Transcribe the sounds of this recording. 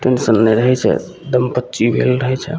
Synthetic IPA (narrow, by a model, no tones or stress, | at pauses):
t̪onsənːɛɾəɦɛt͡ʃʰɛ̰ | d̪əmpətːʃibʱḛlɾəɦɛt͡ʃʰɛ